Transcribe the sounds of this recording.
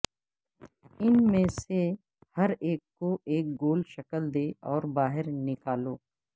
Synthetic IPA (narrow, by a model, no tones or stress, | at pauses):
ɪnmẽse | hɐɾeːkːoʔeːk̚ɡoːlʃəkəld̪eːɔːɾbaːɦɪɾnɪkaːloː